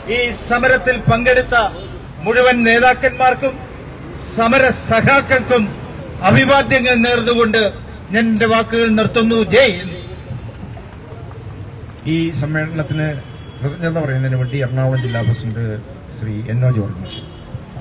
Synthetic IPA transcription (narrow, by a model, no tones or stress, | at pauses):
iːsɐmɐɾɐt̪ːilpɐŋɡeɽit̪ːɐ | muɻuʋɐnne̞ːðaːkːɐnmaːrkum | sɐmɐɾɐsɐhaːkːɐkːum | ɐbʱibaːd̪jɐŋːɐɭneːrnːuɣo̞ɳɖɨ | ɲɐnnde̞ʋaːkːuɣɐɭnirt̪ːunːud͡ʑejn | iːsɐmːeːɽɐnɐt̪ːinɨ | rɐðɐɲɐnɐpɐrɐjunɐnɨʋɐɳɖiɐrɐɳaːuɽɐmd͡ʑilːaːpɐsɳɖɨ | ɕrḭenːoːd͡ʑuɐ̰rmḭʂɐ̥